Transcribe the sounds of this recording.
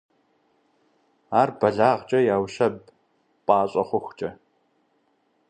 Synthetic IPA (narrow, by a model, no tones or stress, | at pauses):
aːrbɐɮaːʁt͡ʃʼɐjaːwɕɐb | pʼaːɕʼɐχʷʊxʷt͡ʃʼɐ